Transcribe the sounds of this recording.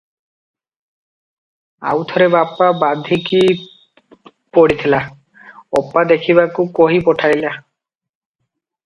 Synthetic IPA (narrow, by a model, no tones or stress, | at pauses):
a̰wt̪ʰɔɾebapːabad̪ʱiki | pɔɽit̪ʰila | ɔpːad̪ekʰiβakukɔɦipɔʈʰajla